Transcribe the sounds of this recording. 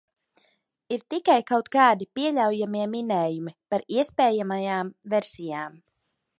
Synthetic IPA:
iɾt̪ikajkawt̪kaːd̪ipiɛʎʲawjamiɛminɛːjumipaɾiɛspɛːjamajaːmvɛɾsijaːm

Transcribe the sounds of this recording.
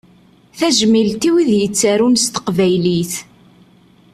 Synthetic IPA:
θæʒmilt̪iwiðjət͡sːaɾunst̪ə̥qvæjliθ

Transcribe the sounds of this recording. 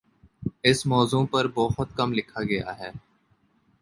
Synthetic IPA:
ɪsmɔːzũːpɐɾbɔːɦʊt̪kɐmlɪkʰaːɡɐja̰ɦɛː

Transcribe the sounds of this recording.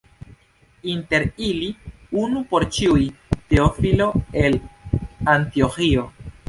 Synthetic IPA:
inte̞ɾiliunupo̞ɾt͡ʃiujteofilo̞e̞l | antioxio̞

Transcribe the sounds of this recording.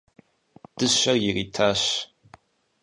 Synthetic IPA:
d̥ɨɕʷɐrjɪriːtʰaːɕ

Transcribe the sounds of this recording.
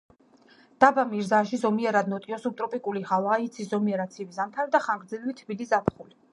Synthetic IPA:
d̪̥abamiɾzaʃizɔmiɛɾad̪̚nɔt̪ʼiɔsup̚t̪ʼɾɔpʼikʼuliʁalait̪sʰiszɔmiɛɾat̪sʰivizamt̪ʰaɾid̪aχaŋɡɾd̪ɛlvit̪ʰbilizapʰχuli

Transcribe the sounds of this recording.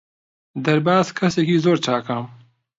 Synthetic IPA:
d̪ɐɾbaːzkʰɐsekizoːɾt͡ʃaːkam

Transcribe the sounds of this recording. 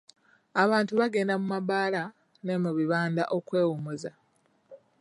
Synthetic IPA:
aβaːntuβaɡe̞ːndamumabaːla | nemuβiβaːnda̰ʔo̞kwe̞ːwumoza

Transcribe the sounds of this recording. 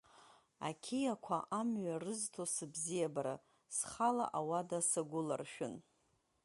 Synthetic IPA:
a̰kʲʰejakʷʰaʔamɥarɨztʰosɨbzijabaɾa | sχala̰ʔawadasaɡʷʊla̰rʃᶣʊn

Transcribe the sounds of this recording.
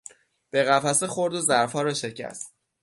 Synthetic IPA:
b̥e̞ɣæfæsexo̞ɾd̪ozæɾfɒːɾɒːʃe̞cʰæ̰st̪̚

